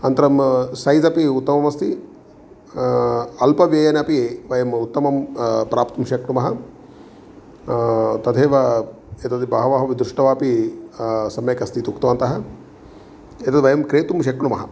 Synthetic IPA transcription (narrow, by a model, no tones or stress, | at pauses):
ɐnt̪ɐɾɐmsɐjzɐpiut̪ːɐmɐmɐst̪i | ɐlpɐʋjɐjɐnɐpiʋɐjɐmut̪ːɐmɐmpɾaːpt̪umʃɐkɳumɐɦɐ | t̪ɐd̪ʰʱeːʋɐ | et̪ɐt̪ibɐɦɐʋɐɦɐʋid̪ɾuʂʈɐʋaːpi | sɐmjɐkɐst̪it̪ukt̪ɐʋɐnt̪ɐɦɐ | et̪ɐt̪ʋɐjɐmkɾeːt̪umʃɐkɳumɐɦɐ̰